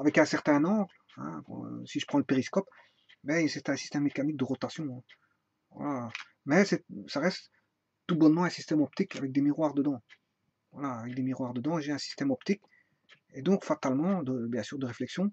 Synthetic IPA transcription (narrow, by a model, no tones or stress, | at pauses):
avɛkɛ̃sɛʁt̪ɛ̃nɑ̃ | ɛ̰̃kɑ̰̃siʒə̥pχɑ̃ləpeʁiskɔp | bɛisɛt̪ɛ̃si̥st̪ɛmːekanik̚d̪əʁɔt̪asjɔ̃ɛ̃ | va̰la | mɛsɛsaʁɛst̪ː | ubɔnmɑ̃ɛ̃sist̪ɛmɔpt̪ikʰa̰vɛk̚d̪emiʁwaʁd̪əd̪ɑ̃ | vwa̰laːvɛk̚d̪emiʁwaʁd̪əd̪ɑ̃ʒeɛ̃si̥st̪ɛmɔpt̪ik | ed̪ɔ̃kfat̪almɑ̃d̪əbjɛ̃syːʁd̪əʁeflɛksjɔ̃